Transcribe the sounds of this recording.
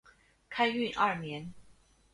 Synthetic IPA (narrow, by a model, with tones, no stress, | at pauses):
kʰa˥ɪy˥˧˨nʔɐ˥˩mjɛ˧˥n